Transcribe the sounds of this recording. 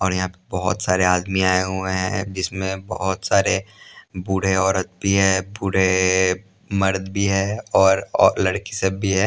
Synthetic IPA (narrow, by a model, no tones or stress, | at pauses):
ɔːɾjɐɦãpɐɾbɔɦʊ̰t̪saːɾeaːd̪miaːeɦʊeɦɛ̰̃d͡ʒɪsmẽbɐ̰ɦʊt̪saːɾebʊɽ̤eɔːɾət̪̚bʱiɦɛːbʊɽ̤e | mɐɾd̪bʱiɦɛːɔːɾɔːlɐɽkisebʱiɦɛː